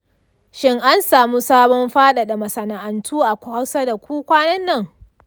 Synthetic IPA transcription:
ʃɪ˦ŋʔa˦nsaː˨mu˦saː˦bɔ˦mɸaː˦ɗa˨ɗa˨mɐ˨sɐ˨na˨ʔa˨ntʰuː˦ʔa˨kʷha˦wsa˦da˨kʷuː˦kʷaː˦nɐ˦nːɐ˦˨ŋ

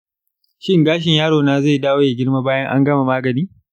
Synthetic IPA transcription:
ʃɪ˦ŋɡaː˦ʃ̬ɪ˨ɲjaː˦ɽoː˨naː˦ze˦˨daː˦woː˦ja˨ɡʲɪ˦ɽma˦baː˦jɐ˦ŋʔa̰˦ŋɡɐ˦ma˨maː˦ɡɐ˨niː˦

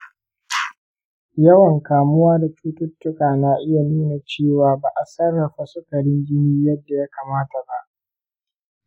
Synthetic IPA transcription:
jɐ˦wɐ˨ŋkaː˨mʊ˦waː˦da˨t͡ʃuː˦tʊ˦tːʊ˦kaː˨naː˨ʔɪ˦ja˨nuː˦na˨t͡ʃeː˦˨waː˨ba˨ʔa˨sɐ˦rːɐ˨ɸa˨sʊ˦kɐ˨ɽɪ˦ŋɡʲɪ˦niː˦jɐ˦dːa˨ja˦kaː˨maː˦ta˨ba˦ʔ

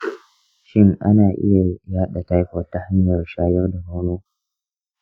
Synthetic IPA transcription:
ʃɪ˦ŋʔa̰˦naː˨ʔɪ̰˦ja˨jaː˦ɗa˨ta˦jkɔ˦˨tːa˦ha˦ɲjɐ˨rʃaː˦jɐ˦rda˨na˦wnoː˦

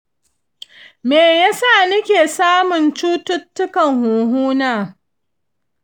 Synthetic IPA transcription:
meː˨ja˦saː˦˨nɪ˦kʲeː˨saː˦mʊ˨nt͡ʃuː˦tʊ˦tːʊ˦kɐ˨ŋhuː˨ɦuː˦naː˦

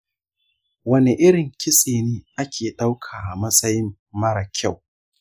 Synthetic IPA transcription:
wɐ˦ne˨ʔɪ˦ɽɪ˨ŋkʲɪ˦sʼeː˨neː˦ʔa˦kʲʰeː˨ɗa˦wkʰaː˨ʔa˨mɐ˦sʼɐ˦jɪ˦mː | ɐ˦ɽɐ˨kʲʰa˦˨w

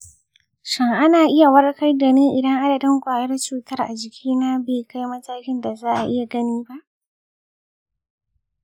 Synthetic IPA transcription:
ʃɪ˦ŋʔa˦naː˨ʔɪ˦ja˨wɐ˦rkɐ˦rdɐ˨neː˦ʔɪ˨dɐ˦ŋʔa˦dɐ˨dɪ˦ŋkʷaː˨jɐ˦rt͡ʃuː˨tɐ˦rʔa˨d͡ʒɪ˨kʲʰiː˦naː˦beː˨ka˦jmɐ˦taː˦kʲɪ˦nda˨zaː˦ʔa˨ʔɪ˦ja˨ɡɐ˦niː˦ba˦ʔ

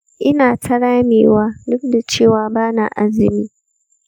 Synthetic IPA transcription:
ʔɪ˦naː˨tʰɐ˦ɽaː˦meː˨waː˦dʊ˦k̚da˨t͡ʃeː˦˨waː˦baː˦na̰˨ʔa˦zɪ˨miː˦

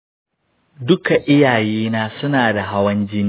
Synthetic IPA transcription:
dʊ˦ka˨ʔɪ˦jaː˨jiː˦naː˦sʊ˦naː˨da˨ɦa˦wɐ˦nd͡ʒɪ˦ni˨

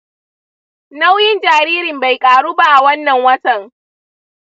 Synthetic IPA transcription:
na˦wjɪ˦nd͡ʒaː˨ɾiː˦ɾɪ˨mba˨jkʼaː˨ɽuː˦ba˦ʔa˨wɐ˦nːɐ˨ŋwɐ˦tɐ˨ŋ

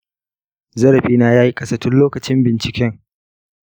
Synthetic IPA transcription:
zɐ˦ɽɐ˨ɸiː˦naː˦jaː˦ji˦kʼɐ˦sɐ˦tʊ˦nloː˦kɐ˨t͡ʃɪ˦mbɪ˨nt͡ʃɪ˨kʲɛ˦ŋ

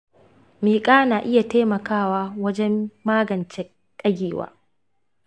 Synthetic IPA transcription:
miː˨kʼaː˦naː˨ʔɪ˦ja˨teː˦mɐ˨kaː˦˨waː˦wɐ˦d͡ʒɛ˦mːaː˦ɡɐ˨nt͡ʃɛ˦ | tʼɐ˦ɡʲeː˨wa̰ː˦

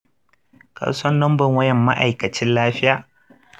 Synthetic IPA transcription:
ka̰˨sɐ˦nːɔ˦mbɐ˨ŋwɐ˦jɛ˨mːa̰˦ʔa˨jkɐ˨t͡ʃɪ˦nlaː˦ɸɪ˦jaː˨

